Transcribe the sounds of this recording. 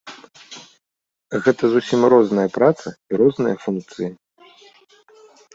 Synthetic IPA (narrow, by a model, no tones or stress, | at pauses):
ɣɛt̪ɐzusʲimrɔznɐjɐpɾat̪sɐiɾɔznɨjɐfunk̚t̪sɨji